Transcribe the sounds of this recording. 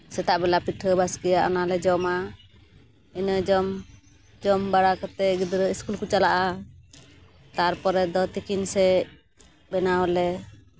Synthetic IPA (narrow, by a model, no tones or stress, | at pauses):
sɛt̪aʔbɛlapiʈʰəbaskɛjaʔɔ̰nalɛd͡ʒɔma | inəd͡ʒɔm | d͡ʒɔmbaɽakət̪ɛɡid̪ɾəiskulkut͡ʃalaʔa | t̪aɾpɔɾɛd̪ɔt̪ikinsɛ | bɛnaɦɔlɛ